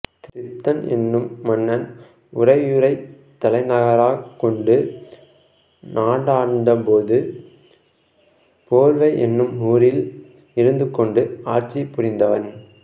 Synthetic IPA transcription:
t̪ɪɪt̪ːɐnɛ̰nːɯmːɐnːɐn | ʊrɐɪjɯɾɐɪ | t̪ːɐlɐɪnɐɣɐɾaːkːɔɳɖɯ | nʔaːɽaːnd̪ɐpoːðɯ | poːɾʋɐɪʔɛnːɯmuːɾɪl | ɪɾɯnd̪ɯkːɔɳɖɯaːɾt͡ʃːipːʊɾɪnd̪ɐʋɐn

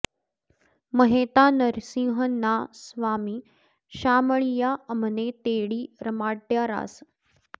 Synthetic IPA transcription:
mɐɦeːt̪aːnəɾsĩːɦənːaːsʋaːmiː | ʃaːməɭijaːəməneːt̪eːɽiːɾəmaːʈjaːɾa̰ːs

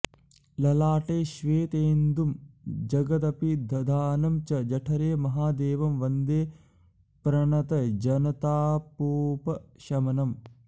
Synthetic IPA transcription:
lɐlaːʈeːʃʋeːt̪eːnd̪umd͡ʒɐɡɐt̪̬ɐpid̪ʱɐd̪ʱaːnɐmt͡ʃɐd͡ʒɐʈʰɐɾeːmɐɦaːd̪eːʋɐmʋɐnd̪eː | pɾɐɳɐt̪ɐd͡ʒɐnɐt̪aːpoːpɐʃɐmɐnɐm

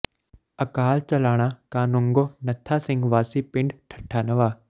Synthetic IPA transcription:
ɐkaːlt͡ʃɐlaːɽ̃ãkaːnʊ̃ŋɡoːnɐt̪ʰasɪ̃ŋɡʋaːsipɪ̃ɳɖʈʰɐ̥ʈʰaːnəʋaː

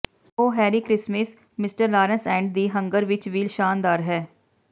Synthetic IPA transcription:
oːɦɛːɾiːkɾɪsmɪs | mɪsʈəɾlaːɾənsɛ̃ːɳɖ̚d̪iːɦə̃ŋɡəɾʋɪt͡ʃʋiːlʃaːnd̪aːɾɦɛː

